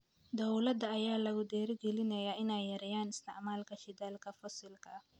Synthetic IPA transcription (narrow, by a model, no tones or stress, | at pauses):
d̪ɔwlɐd̪ɐɐjaːlɐɣʊd̪ɛːɾɪɡɛlɪnɐjaːɪnɛjːɐɾɛjaːnɪst̪ɪ̰ʕmaːlkʰɐʃɪd̪alkʰɐfɔsɪlkʰɐ